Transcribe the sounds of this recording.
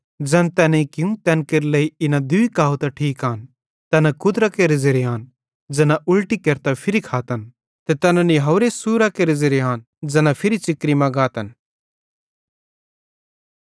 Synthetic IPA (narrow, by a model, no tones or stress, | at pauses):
d͡ʒɛ̃nt̪ɛːneikɪũt̪ɛːnkeɾlɐiɪnad̪ʊikaːut̪ɐʈʰiːkɦaːn | t̪ɛːnakʊd̪ɾakeɾed͡ʒeɾeɦaːn | d͡ʒɐnãʔʊlʈikɐɾt̪apʰɪɾikʰaːt̪ən | t̪ɛt̪ɛːnãniɦɐːɾesuːɾakeɾezeɾeɦaːn | d͡ʒɐnapʰɪɾit͡ʃɪkːɾimãɡaːt̪ən